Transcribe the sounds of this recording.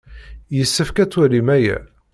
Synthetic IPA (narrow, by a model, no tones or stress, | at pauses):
jəsːəfkæt͡sːwælimæjæ̰